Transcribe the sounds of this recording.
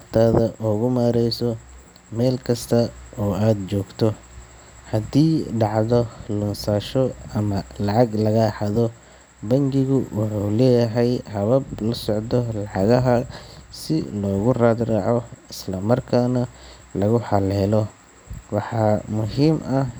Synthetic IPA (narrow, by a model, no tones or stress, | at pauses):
rt̪ʰaːðɐʔɔːɣʊmaːɾɛjsɔ | mɛːlkʰɐst̪ʰɐɔːaːd̪t͡ʃɔːɡt̪ʰɔ | hɐd̪iːɖɑʕðɔlʊnsaːʃɔɐmɐlɑʕɑɡlɐɣɐħɑðɔ | bɐŋɡɪɣʊwʔʊħuːlɛːjɐɦɛjhɐβɐblɐsɔʕd̪ɔlɑʕɑɣɐɦɐsɪ̰lɔːɣʊraːd̪raːʕɔɪslɐmɐrkʰaːnɐ | lɐɣʊħɑlɛɛːlɔ | wɑħɑːmʊɦiːmʔɐ